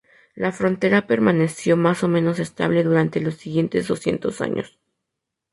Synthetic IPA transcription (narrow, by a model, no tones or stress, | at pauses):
lafɾo̞nt̪e̞ɾape̞ɾmane̞sjo̞maso̞mẽ̞no̞se̞st̪a̰β̞le̞ðuɾant̪e̞lo̞sːiɣje̞nt̪e̞zðo̞sje̞̰nt̪o̞sa̰ɲo̞̰s